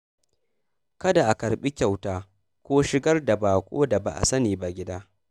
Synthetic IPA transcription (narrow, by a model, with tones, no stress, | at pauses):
kɐ˦da˨ʔa˨kɐ˨ɾɓi˦kʲa˨wtaː˦ | kʷoː˦ʃɪ˦ɡɐ˦rda˨baː˨kʷʼo̰ː˦da˨ba̰˨ʔa̰˨sɐ˦niː˨ba˦ɡʲɪ˦daː˦